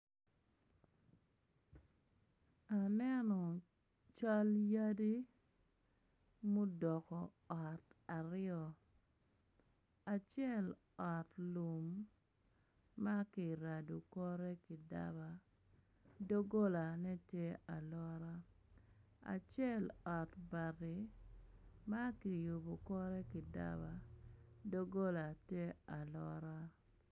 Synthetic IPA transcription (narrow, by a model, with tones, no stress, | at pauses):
a˨nɛ˦nɔ˨ | t͡ʃa˦lja˦di˦ | mo˦dɔ˨kɔ˨ | ɔ˨ta˨ɾɪɔ˨ | a˨t͡ʃɪɛ˦˨l | ɔ˨tlu˨m | a˦kɪ˨ɾa˨du˨kɔ˦ɾɛ˦kɪ˨da̰˦ba˨ | do˦ɡo˦la˨nɛ˦tje˦a˨lɔ˦ɾa˦ | a̰˨t͡ʃjɛ˦˨lɔ˨tba˨ɾɪ˨ | ma˦ki˨jo˨bo˨kɔ˦ɾɛ˦kɪ˨da̰˦ba˦do˦ɡo˦la˨tje˦a˨lɔ̰˦ɾa˦